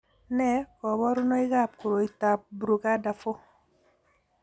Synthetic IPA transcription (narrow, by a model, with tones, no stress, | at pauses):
nɛ˦kɔ˨βɔ˦ɾʊ˦nɔ˦ɪ˦ɡa˦˨p̚kʊ˨ɾo˨i˨ta˨p̚bɾu˨ɡa˦da˨fo˦